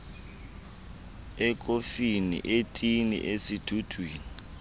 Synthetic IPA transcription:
ɛkʼofinḭʔetʼinḭʔesid̥ʱud̥ʱweːni

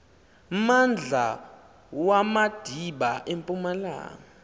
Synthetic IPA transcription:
mand͡ɮʱa | wamad̥ʱiɓaʔempʼumala̰ːŋa

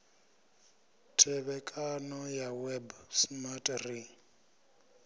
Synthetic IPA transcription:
tʰɛβɛkʼanɔjawɛbsmatʼri

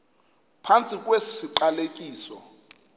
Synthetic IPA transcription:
pʰant͡sʼik̬ʼwesisiǃalekʼiːsɔ

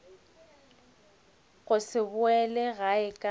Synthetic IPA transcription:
ɣʊsɪbʊɛlɛɣaɪkʼa

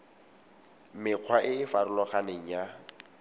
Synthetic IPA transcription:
mɪq͡χʰwaʔɪɪfarʊlɔχaneŋ̩ja

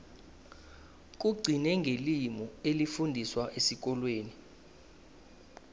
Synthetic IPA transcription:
k̬uɡ͡ǀʱinɛŋɡʱelimɔelifundʱiswaʔesik̬ɔlweːni

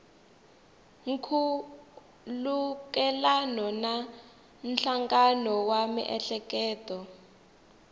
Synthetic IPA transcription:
ŋ̩kʰu | lukɛlanɔna | n̩ɬaŋɡanɔwamḭʔɛɬɛkɛːtɔ

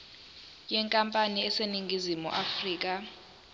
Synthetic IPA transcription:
jɛŋkʼampʼaniɛseniŋɡʱizimṵʔafriːk̬ʼa

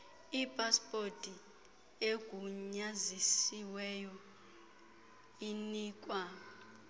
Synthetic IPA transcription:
ipʼaspʼotʼi | eɡ̥ʱuɲazisiwɛjɔ | iniːkʼwa

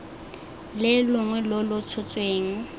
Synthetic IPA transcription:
lɪlʊŋwɛlʊlʊt͡sʰʊt͡sʼweːŋ̩

